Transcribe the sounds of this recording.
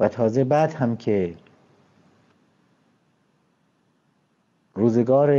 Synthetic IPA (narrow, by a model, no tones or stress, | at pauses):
væt̪ʰɒːzebæd̪hæmkʰe | ɾuːzeɡɒːɾe